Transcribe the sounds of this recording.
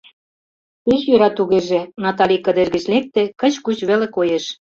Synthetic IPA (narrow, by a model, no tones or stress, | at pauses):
t̪iɕjøɾɑt̪uɣeʒĕnɑt̪ɑlʲikə̆d̪erɣə̆t͡ɕlek̚t̪ekə̆t͡ɕkut͡ɕβelĕkojeʃ